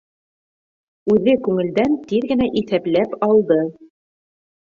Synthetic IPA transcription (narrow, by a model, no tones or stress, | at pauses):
ʉðɘkʉŋɘ̆ld̪ænt̪iðɡɘ̆næʔiθæplæpɑlˠd̪ɤ